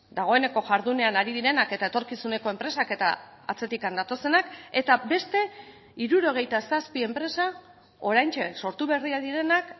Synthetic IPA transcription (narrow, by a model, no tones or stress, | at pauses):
d̪aɣ̞o̞e̞ne̞ko̞ʝaɾðune̞anaɾiðiɾe̞nake̞t̪ae̞t̪o̞ɾkisune̞ko̞e̞mpɾe̞sake̞t̪a̰ː | t͡se̞t̪ikand̪at̪o̞se̞nake̞t̪abe̞st̪e̞ | iɾuɾo̞ɣ̞e̞jt̪asaspie̞mpɾe̞sa | o̞ɾajnt͡ʃekso̞ɾt̪uβe̞riaðiɾe̞nak